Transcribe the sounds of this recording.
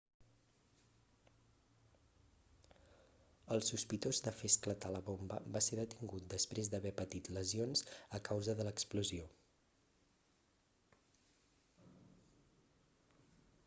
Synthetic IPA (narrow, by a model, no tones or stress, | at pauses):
əlˠsuspit̪ozd̪əfesklət̪aləβombə̰baseðət̪iŋɡut̪̚d̪əspɾezd̪əβɛpət̪it̪ləzionzəkawzəðələkspluzio